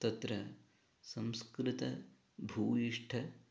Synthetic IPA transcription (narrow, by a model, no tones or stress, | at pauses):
t̪ɐt̪ɾɐ | sɐmskɾɪt̪ɐ | bʱuːjiʂʈʰɐ